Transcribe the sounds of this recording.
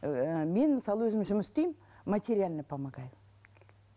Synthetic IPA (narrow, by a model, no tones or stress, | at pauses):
me̞nməsɑlˠəwɵzɪmʒʊməsɪst̪e̞jm | mat̪ʲeɾʲialʲnəpʰamaɡɑjv